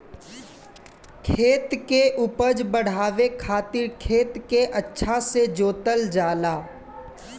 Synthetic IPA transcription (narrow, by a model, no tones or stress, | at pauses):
kʰeːt̪keʔʊpəd͡ʒbəɽ̤aːʋekʰaːt̪ɪɾkʰeːt̪keʔɐtːʃʰased͡ʒoːt̪əld͡ʒaːlaː